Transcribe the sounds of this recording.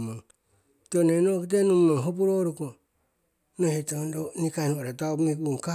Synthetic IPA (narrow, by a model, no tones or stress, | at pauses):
maŋ | tonenokitenumːaŋɦopuɾoɾuko | nohetondonikanoɾatawmikuŋka